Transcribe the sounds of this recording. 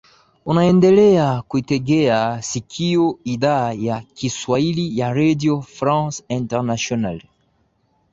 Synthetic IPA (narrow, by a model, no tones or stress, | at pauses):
unaɛndɛlɛakuitɛɡɛasikʰijɔiðajakiswailijaɾadjɔfɾãnsĩntɛʁnasjɔnal